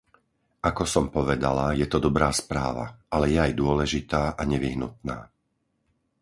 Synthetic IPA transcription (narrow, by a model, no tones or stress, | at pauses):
akɔsɔmpɔʋɛd̪alajɛt̪ɔd̪ɔbɾaːspɾaːʋa̰ʔalɛjɛajd̪ʊɔlɛʒit̪aːʔaɲɛʋiɦnṵt̪̚na̰ː